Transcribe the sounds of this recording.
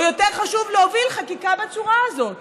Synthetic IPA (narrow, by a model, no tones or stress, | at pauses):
jo̞teʁχaʃuvleovilχakikabet͡suʁaːzo̞t